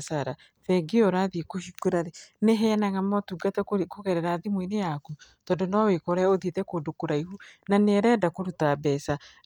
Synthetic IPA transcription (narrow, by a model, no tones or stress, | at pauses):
saɾa | θɛɡeɔɾaðikoʃikweɾaɾeneɦɛnaɣamɔtuɡatɛkoɣɛɾɛɾaːðimwinejakutɔːndonɔwekɔɾɛoðietɛkodokoɾaihunaneɾɛːdakoɾutabɛsa